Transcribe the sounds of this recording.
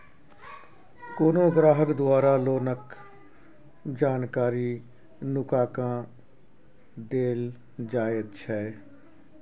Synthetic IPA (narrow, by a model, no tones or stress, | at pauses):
koːnõːɡɾaːɦəkd̪ʊaːɾaːloːnək | d͡ʒaːnkaːɾiː | nʊkaːkãː | d̪eːl | d͡ʒaːəd̪t͡ʃʰɛː